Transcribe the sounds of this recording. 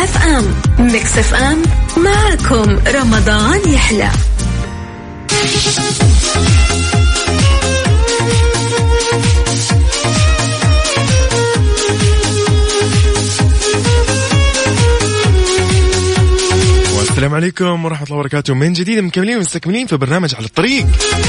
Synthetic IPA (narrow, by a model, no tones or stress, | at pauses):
afʔammɪksafʔamːaʕakʰʊmɾˤɑmɑd̪ˤɑːnjɪħla̰ | wʔasːalaːmʕaleːkʊmwɾˤɑħmt̪ˤlːɑːbɑɾˤɑkaːt̪ʊmɪnd͡ʒɪd̪iːd̪mɪnkamːɪliːnwmʊst̪akmɪliːnfibɑɾnaːmad͡ʒʕalat̪ˤːɑɾiːq